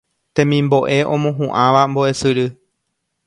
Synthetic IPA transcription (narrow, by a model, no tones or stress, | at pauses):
t̪ẽ̞mĩmbo̞ʔe̞ʔõ̞mõɦũʔãʋamboe̞sɨɾɨ